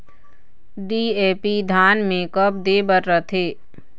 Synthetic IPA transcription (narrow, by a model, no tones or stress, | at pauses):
ɖieːpid̪ʱaːnmẽːkəp̚d̪eːbəɾɾət̪ʰeː